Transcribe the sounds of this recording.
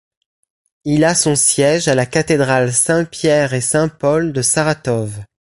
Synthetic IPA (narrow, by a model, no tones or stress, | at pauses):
ilasɔ̃sjɛʒalakat̪ed̪ʁalsɛ̃pjɛʁesɛ̃pɔld̪əsaʁat̪ɔv